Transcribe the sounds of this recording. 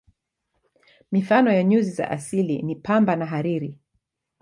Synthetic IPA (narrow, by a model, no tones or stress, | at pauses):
mifanɔjaɲuziza̰ʔasilḭnipambanaɦaɾiɾi